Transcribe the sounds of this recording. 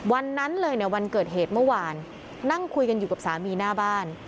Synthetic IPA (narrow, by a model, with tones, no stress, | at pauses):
wa˧nːa˦˥nlɤː˧jni˥˩ɐwa˧nkɤː˨˩t̪̚ɦeː˨˩t̪̚mɯ˥˩waː˧nː | a˥˩ŋkʰu˧jka˧njuː˨˩ka˨˩psaː˩˦miː˧naː˥˩baː˥˩n